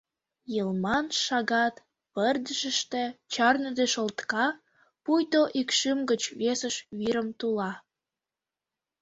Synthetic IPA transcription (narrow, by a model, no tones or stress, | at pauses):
jəlmɑnʃɑɣɑt̪ | pərd̪əʒəʃt̪et͡ɕɑrnəd̪eʃolt̪kɑ | pujt̪oʔikʃəmɡət͡ɕβesəʃβiɾəmt̪ulɑ